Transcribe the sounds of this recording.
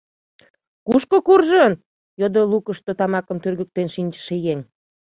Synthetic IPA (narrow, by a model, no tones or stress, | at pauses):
kuʃkokurʒən | jod̪olukəʃt̪ot̪ɑmɑkə̆mt̪ørɣək̚t̪enʃinʲt͡ɕə̥̆ʃejeŋ